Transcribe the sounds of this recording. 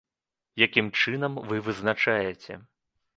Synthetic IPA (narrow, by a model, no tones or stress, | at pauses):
jakʲimt͡ʂɨnɐmvɨvɨznat͡ʂajɛt͡sʲɛ̰